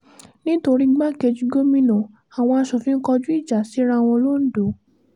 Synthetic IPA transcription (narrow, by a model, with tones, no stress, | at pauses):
nĩ˦to˧ɾi˦ɡ͡ba˦ke˧d͡ʒi˧ɡo˦mĩ˦nɔ̃˨ | a˨w̃ɔ̃˧a˧ʃɔ˨fĩ˦ŋ̩˦kɔ˧d͡ʒu˦i˦˨d͡ʒa˨si˨˦ɾ̃a˧˦˨w̃ɔ̃˧lo˦n̩˦do˨˦